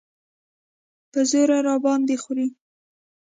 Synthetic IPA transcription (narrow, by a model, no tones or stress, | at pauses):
pəzoɾaɾɑbɑnd̪exuɾi